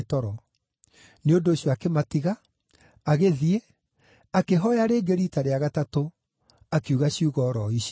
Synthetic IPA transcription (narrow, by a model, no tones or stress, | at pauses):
tɔɾɔ | neondoːɕjɔakematiɣaː | ɣeðie | akeɦɔjaɾeːɡeɾitaɾeaɣatato | akeuɣaɕiuɣɔɾɔiɕ